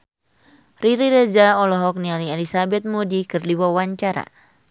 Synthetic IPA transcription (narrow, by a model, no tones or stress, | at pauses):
riɾiɾed͡ʒaɔlɔɦɔk̚nialielisabɛt̪̚modikɨrdiwawaɲt͡ʃaɾa̰